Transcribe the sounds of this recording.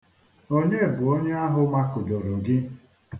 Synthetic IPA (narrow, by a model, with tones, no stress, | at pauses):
o˦ɲe˦˨bʊ˨o˦ɲe˦a˦ɦʊ˦ma˦kʊ˨do˨ɾo˨ɡɪ˦